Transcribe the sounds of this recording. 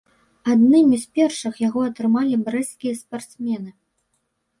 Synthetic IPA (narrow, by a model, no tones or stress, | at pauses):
ad̪nɨmʲispʲɛrʂɨxjaɣɔɐt̪ɾɨmalʲibɾɛskʲijɐspart̪smʲɛnɨ